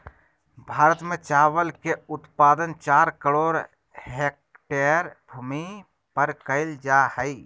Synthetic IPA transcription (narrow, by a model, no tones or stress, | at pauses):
bʱaːɾət̪mẽt͡ʃaːʋəlkeʊt̪paːd̪ənt͡ʃaːɾkəɽoːɾ | ɦek̚ | ʈeəɾbʱumi | pəɾkəɪld͡ʒahəɪ